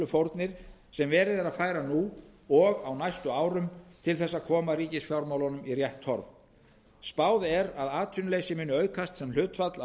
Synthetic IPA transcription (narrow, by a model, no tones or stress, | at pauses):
lʏfowɾt̪nɪɾ̥ | sɛmvɛːɾɪðɾaðfaːjɾanu | ɔɣawnajst̪ʏaːwɾʏmt̪ʰɪlθɛsːaðkʰɔːmaɾiːcɪsfjawɾmawlanʏmirjɛht̪hɔ̰ɾv | spaːwðɛɾaðaːt̪ʰʏnlejsɪmɪnːʏœːɥkʰast̪sɛml̥ʏːt̪fat̪la